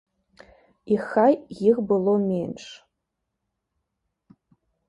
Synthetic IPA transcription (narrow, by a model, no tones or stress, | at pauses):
ixajjɪɣbɨlˠomʲenʂ